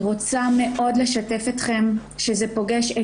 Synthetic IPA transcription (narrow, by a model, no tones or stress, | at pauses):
ʁot͡same̞ʔo̞dle̞ʃate̞fitχe̞m | ʃezepo̞ɡeʃe